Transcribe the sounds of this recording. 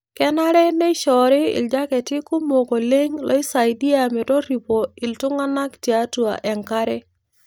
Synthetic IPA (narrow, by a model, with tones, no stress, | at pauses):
kɛ˦na˦ɾɛ˦nɛ˦ʃɔ˨ɾɪ˦ɪ̰˨ld͡ʒa˦kɛ˨tɪ˦kʊ˦mo˨ɡo˨le˦ŋlɔ̰˦ɪ˦sa˨jdi˦a˨mɪ˨tɔ˦ɾi˨po˨ɪ˨ltʊ˦ŋa˦na˦kti˨a˦tu˨a̰˨ʔɛ˨ŋka˦ɾɛ˦